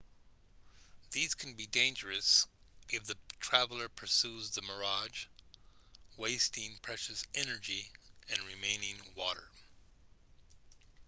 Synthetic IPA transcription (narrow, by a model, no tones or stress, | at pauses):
ðiz̥kʰn̩bidẽɪ̃nd͡ʒə˞ɨsʔɨfðɨtʰɹ̥ævl̩ˠə˞pʰə˞sʉzðɨmə˞ɑd͡ʒ | weɪstɪ̃ŋpʰɹ̥ɛʃɨsɛnə˞d͡ʒiɨ̃nɹɨmẽɪ̃nɪ̃ŋwɔɾə̰˞